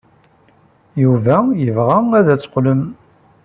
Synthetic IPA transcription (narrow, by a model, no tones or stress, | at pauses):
juvæjəvʁææðæt͡sːə̥qləm